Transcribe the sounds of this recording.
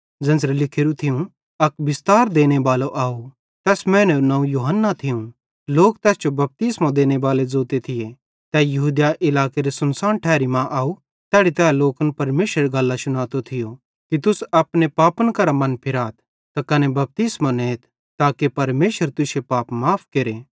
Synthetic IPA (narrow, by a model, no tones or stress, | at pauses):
d͡zɐ̃nd͡ʒɾelɪkʰeɾut̪ʰɪjũ | ɐkbɪst̪aːɾd̪eːñebaːloʔaːu | t̪ɛːsmɛ̃ːnɛnɐ̃ũjuːɦənːat̪ʰɪjũ | loːkt̪ɛːsd͡ʒobɐp̚t̪iːsmad̪eːñeʋaːled͡zoːt̪et̪ʰɪje | t̪ɛːjɐɦuːd̪jaʔɪlaːkeɾesɐnsaːnʈʰɛːɾimãʔaːu | t̪ɛːɽit̪ɛːloːkənpɐɾmeːʃɾeɾɡɐlːasʊñaːt̪ot̪ʰɪjo | kit̪ʊsɐpnepaːpənkɐɾamɐnpʰɪɾaːt̪̚ʰ | t̪akɐnebɐp̚t̪iːsmaneːt̪̚ʰ | t̪aːkepɐɾmeːʃəɾt̪ʊʃepaːpmaːpʰkeɾeː